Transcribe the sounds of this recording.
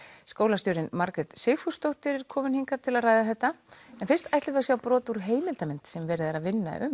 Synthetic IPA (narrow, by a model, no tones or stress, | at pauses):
skoːwlast̪jɔːɾɪnmaɾkɾɛt̪seːxfust̪owht̪ɪɾɪɾ̥kʰɔːmɪnhiŋkat̪ʰɪlaðraːjðaθɛht̪ːaɛnfɪn̥st̪ajht̪lɪvasjawpɾɔːt̪uɾ̥ɦeːjmɪlt̪amɪn̥t̪sɛmvɛːɾɪðaɾaðvɪnːa̰ʏ̰m